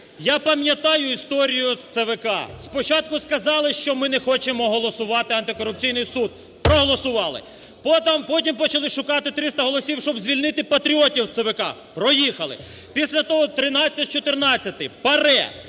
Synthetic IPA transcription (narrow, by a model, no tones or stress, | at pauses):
japɐmjɐt̪ɑjʊist̪ɔɾʲijʊst̪seʋekɑ̰spɔt͡ʃɑt̪̚kʊskɐzɑlˠɪʃt͡ʃɔmɪnɛxɔt͡ʃemɔɦɔlˠɔsʊʋɑt̪ɪɐnt̪ɪkɔɾʊp̚t͡sʲijnɪjsud̪̚ | pɾɔɦɔlˠɔsʊʋɑlˠɪ̰ | pɔt̪ɐmpɔtʲimpɔt͡ʃɐlˠɪʃʊkɑt̪ɪt̪ɾɪst̪ɐɦɔlˠɔsʲiwʃt͡ʃɔbzʲʋʲilʲnɪt̪ɪpɐt̪ɾʲiɔtʲiwt̪seʋekɑpɾɔjixɐlˠɪ̰ | pʲisʲlʲɐt̪ɔɦɔt̪ɾɪnɑt͡sʲːɐt̪ʲt͡ʃɔt̪ɪrnɑt͡sʲːɐt̪ɪpɐɾɛ̰